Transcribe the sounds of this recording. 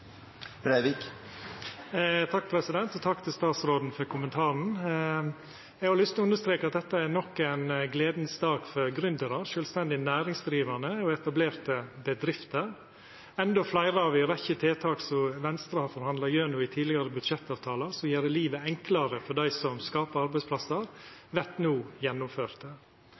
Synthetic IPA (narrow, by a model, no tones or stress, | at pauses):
bɾæʋɪk | t̪ʰɑkːpʰɾɛsɪd̪ɛnt̪ɔt̪ʰɑkːt̪ʰɪlst̪ɑːt̪sɾoːd̪n̩fɔɾkʰʊmənt̪ʰɑːɾn̩ | ɛɡɑɾlʏst̪ɔʉnəʂt̪ɾeːkɑt̪̚d̪ɛt̪ːəænɔkːæɪnɡleːd̪nsd̪ɑːɡ̥fɔɾɡɾʏnd̪əɾɑɾʃøːlst̪ɛnd̪ɪnæːɾɪŋsd̪ɾiːʋænəɔɛt̪ɑbleːɾt̪əbəd̪ɾɪft̪əɾ | ɛnd̪ɔflæɪɾəɑʋɪɾɛçət̪ʰeːt̪ʰɑːksɔmʋɛnst̪ɾɑhɑɾfɔɾhɑnd̪lɑjøːnʊɪt̪ʰiːlɪɡɑɾəbʉd̪ʂɛt̪ːɑːʋt̪ʰɑːlɑsɔjæːɾɖəliːʋəɛŋklɑɾəfɔɖæɪsɔmskɑːpəɾɑɾbæɪspʰlɑsəɾʋɛt̪nuːjɛnːʊmføːɾt̪ə